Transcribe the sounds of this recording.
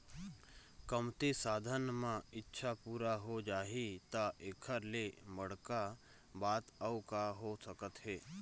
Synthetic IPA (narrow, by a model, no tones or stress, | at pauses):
kəmt̪esaːd̪ʱənmãɪtːʃʰapuːɾaɦod͡ʒaːɦit̪aʔeːkʰəɾleməɽka | baːt̪əukaɦosəkət̪ɦeː